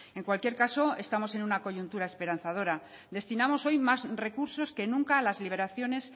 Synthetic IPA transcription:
e̞ŋkwalkje̞ɾkaso̞e̞st̪amo̞se̞nunako̞ʝunt̪uɾae̞spe̞ɾan̟θað̞o̞ɾa | d̪e̞st̪inamo̞so̞jmazre̞kuɾso̞ske̞nũŋkaːlazliβe̞ɾaθjo̞ne̞s

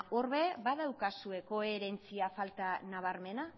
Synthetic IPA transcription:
o̞ɾβebaðawkasue̞ko̞e̞ɾe̞nt͡siafalt̪anaβ̞aɾme̞na

